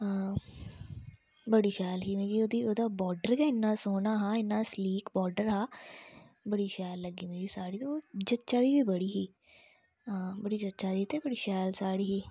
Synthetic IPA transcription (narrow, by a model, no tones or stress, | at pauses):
əː | bəɽiːʃɛːlɦiːmẽːɡiːoːd̪iːoːd̪aːbɔːɾɖəɾkaːɪnːaːsoːnaːɦãːɪnːaːsliːkbɔːɖəɾɦãː | bəɽiːʃɛːlːəɡiːmẽːɡisaːɽiːt̪ot͡ʃətːʃaːd̪iːbiːbəɽiːɦiː | ãːbəɽiːd͡ʒətːʃaːd̪iːt̪ebəɽiːʃɛːlsaːɽiːɦiː